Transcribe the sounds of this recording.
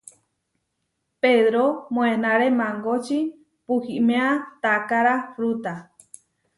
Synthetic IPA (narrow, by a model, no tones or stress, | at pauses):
peðɾomõẽnãɾemãŋɡot͡ʃi | puhimẽãt̪akaɾafɾut̪a